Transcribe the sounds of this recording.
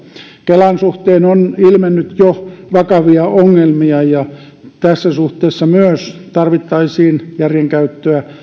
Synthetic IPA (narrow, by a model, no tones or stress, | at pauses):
kelɑnsuht̪eːnonilmenːyt̪joʋɑkɑʋiɑoŋːelmiɑjɑ | t̪æsːæsuht̪eːsːɑmyøst̪ɑrʋit̪ːɑisiːnjærjeŋkæyt̪ːøæ